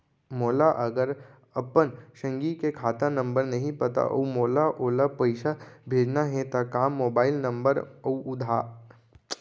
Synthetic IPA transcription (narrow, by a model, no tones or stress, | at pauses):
moːlaʔɐɡəɾ | ɐpənʃɐ̃ŋɡikekʰaːt̪anə̃mbəɾnɐɦĩpɐt̪a̰ʔo̰umoːlaʔoːlapɐɪʃabʱeːd͡ʒnaɦɛ̃t̪akaːmːoːbaːɪlnɐ̃mbəɾɐuʔʊd̪ʱaː